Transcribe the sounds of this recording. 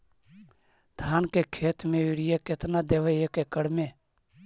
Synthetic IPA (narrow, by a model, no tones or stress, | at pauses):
d̪ʱaːnkeːkʰeːt̪mẽːɪɽɪjeːket̪naːd̪eːʋeeːkeːkəɽmẽː